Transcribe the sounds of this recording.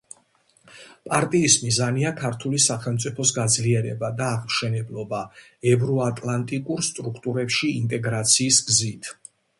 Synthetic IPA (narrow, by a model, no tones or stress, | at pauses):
pʼaɾt̪ʼiːsmizaniakʰaɾt̪ʰulisaχɛlˠmt̪sʼipʰɔsɡad̪zliɛɾɛbad̪aːʁmʃɛnɛblˠɔba | ɛvɾɔat̪ʼlˠant̪ʼikʼuɾst̪ʼɾukʰt̪ʼuɾɛpʃiːnt̪ʼɛɡɾat̪sʰiːsɡzit̪ʰ